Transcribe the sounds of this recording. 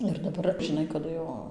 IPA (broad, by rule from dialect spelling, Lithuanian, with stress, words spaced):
ɪr dɐˈbɐr ʒʲɪˈnɐɪ kɐˈdʊ jɛʊ